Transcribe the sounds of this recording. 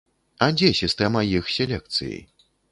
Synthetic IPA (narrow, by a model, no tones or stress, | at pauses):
ɐd͡zʲɛsʲist̪ɛmɐjixsʲelʲɛk̚t̪sɨ̰jḭ